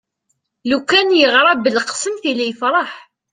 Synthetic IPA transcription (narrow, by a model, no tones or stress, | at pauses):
lukːænjəʁɾˤɑbəlqsəmθilijəfɾˤɑħ